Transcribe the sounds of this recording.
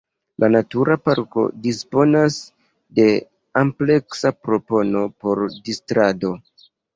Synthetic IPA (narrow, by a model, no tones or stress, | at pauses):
lʔanatuɾapaɾko̞̰dispo̞nas | de̞ | ample̞ksapɾo̞po̞no̞po̞ɾdistɾado̞